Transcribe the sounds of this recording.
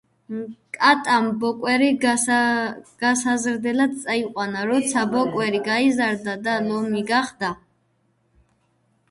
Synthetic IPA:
mkʼat̪ʼambɔkʼwɛɾi | ɡ̥asazɾd̪ɛlad̪̚t͡s̪ʼaiqʼwanaɾɔt̪sʰabɔkʼwɛɾiɡaizaɾd̪ad̪alɔmiɡaχd̪a

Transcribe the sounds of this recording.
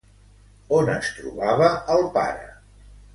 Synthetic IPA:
onəst̪ɾṵβaβ̞əːlˠpa̰ɾə̰

